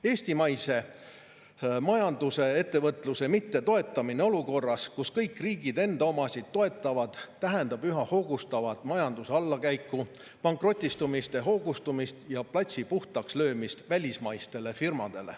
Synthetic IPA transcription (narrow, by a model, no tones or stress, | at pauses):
e̞ːsʲt̪imɑjse̞ | mɑjɑnd̪̥use̞e̞t̪ːe̞vɤt̪ːˑluse̞mit̪ːe̞t̪o̞e̞t̪ːˑɑmineo̞luko̞rːɑskuskɤjkːˑriːɡid̪e̞nd̪ɑo̞mɑsʲid̪̥t̪ːo̞e̞t̪ːˑɑvɑd̪̥t̪æɦend̪ɑb̥yɦɑho̞ːɡ̥ust̪ɑvɑt̪ˑmɑjɑnd̪̥useɑlːɑkæjkːˑu | pɑŋkro̞t̪ʲːˑist̪umist̪e̞ɦo̞ːɡust̪umist̪jɑplɑt̪ʲsipuht̪ɑkslø̞ːmist̪vælʲismɑjst̪e̞le̞firmɑd̪̥e̞lḛ